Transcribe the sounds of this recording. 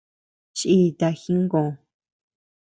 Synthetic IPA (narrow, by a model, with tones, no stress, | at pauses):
ʃʔi˦˧t̪a˧xĩ˦ŋ˦ɡõ˨˧˨